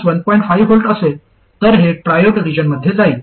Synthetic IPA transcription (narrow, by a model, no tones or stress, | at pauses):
sʋənpɔ̃ĩɳʈfaijʋɦolʈəse | t̪əɾɦepɾajoɖʋid͡ʑənməd̪ʱjed͡zaiː